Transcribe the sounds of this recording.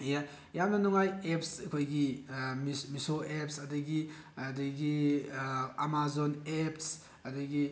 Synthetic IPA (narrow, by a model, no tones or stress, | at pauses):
ja | jamnɐnuŋajepsɐkʰojɡimmisoʔep̚sɐdɐɡi | ɐdɐɡi | amazoneps | ɐdɐɡi